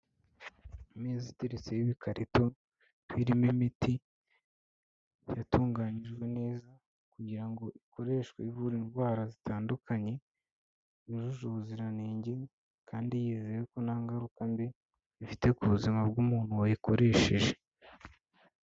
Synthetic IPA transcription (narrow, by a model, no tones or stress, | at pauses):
mezitiɾisejiβikʰaɾʔito̞ | wiːɾimimiti | jatuːŋɡaːɲiʒɡwe̞ne̞ːza | kuɟiɾaŋɡo̞ʔiko̞ɾe̞ːʃɡweivuɾinɡwaːɾazitʰaːndukʰaɲe̞ | iʒuʒuβuziɾaneːɲɟe̞ | kʰaːndijiːzejeko̞naːŋɡaɾukambi | ifite̞kuβuzimabɡuːmuːn̥uwojiko̞ɾe̞ʃe̞ʒe̞